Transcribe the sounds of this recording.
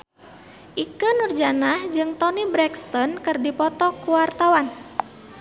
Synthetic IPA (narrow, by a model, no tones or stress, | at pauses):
ʔikənurd͡ʒanahd͡ʒɨŋt̪ɔnibɾɛkst̪ɔnkɨrdipɔt̪ɔkuwart̪awan